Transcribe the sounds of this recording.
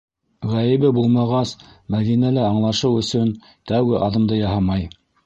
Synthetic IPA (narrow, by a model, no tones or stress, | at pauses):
ʁæjɘ̆βɘbulˠmɑʁɑsmæðinælɘɑɴlˠɑʃɤwɵ̆sɵn | t̪æwɡɘʔɑðɤ̆md̪ɤjɑɦɑmɑj